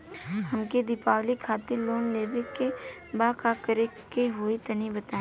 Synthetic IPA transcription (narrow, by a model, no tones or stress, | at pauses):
hɐmked̪ɪpaːwlikʰaːt̪ɪɾloːnleːbekːe | baːkaːkəɾekeɦʊit̪ɐnibɐt̪ãː